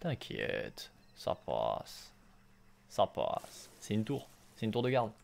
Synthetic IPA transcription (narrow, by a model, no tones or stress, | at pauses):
t̪ɛ̃kʰʲjɛt̪ | sa̰pas | apasːɛynt̪uʁ | sɛynt̪uʁd̪əɡaʁd̪